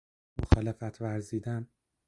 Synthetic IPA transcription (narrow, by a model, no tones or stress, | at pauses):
moxɒːlefæt̪ʰvæɾziːd̪æn